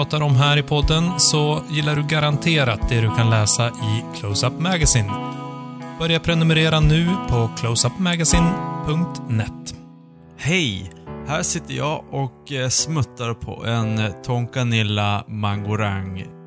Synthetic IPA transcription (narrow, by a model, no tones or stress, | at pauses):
ɑːt̪aɾɔmɦæːɾɪpʰɔd̪ːənsɔjɪlːaɖɵɡaɾant̪ʰeːɾat̪̚d̪ɛd̪ɵkʰanlɛːsaʔɪkʰloʊsapmɛɡasiːn | b̥œɾjaɾpʰɾɛnɵmɛɾeːɾanʉ̟ːpʰɔkʰloʊsapːmɛɡasiːnpʰɵŋk̚t̪nɛt̪ː | hɛjhæːʂɪt̪ːəjɑːʔɔksmɵt̪ːaɾpʰɔ̰ʔɛnt̪ʰɔŋkanɪlːamaŋɡʊɾaŋ